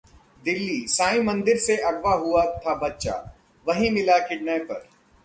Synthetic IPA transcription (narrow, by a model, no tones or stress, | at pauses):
d̪ɪlːisaːĩmɐ̃nd̪ɪɾseʔɐɡʋaɦuat̪ʰabɐtːʃa̰ | ʋɐɦĩmɪlakɪɖnajpɐ̰ɾ